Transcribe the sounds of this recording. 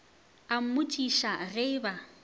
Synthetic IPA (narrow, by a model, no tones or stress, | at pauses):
am̩mʊtʼiʃaɣeba